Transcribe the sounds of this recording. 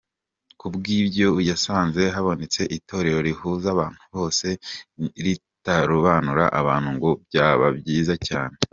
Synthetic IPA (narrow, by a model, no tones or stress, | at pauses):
kubɡiːbjo̞ujasaːnze̞ɦaβo̞ne̞t͡se̞ʔitʰo̞ːɾe̞ɾo̞ɾihuzaβaːn̥huβo̞ːse̞ɾitaɾuβaːnuɾa̰ʔaβaːn̥huŋɡubjaːβa̰bɟiːzacaːne̞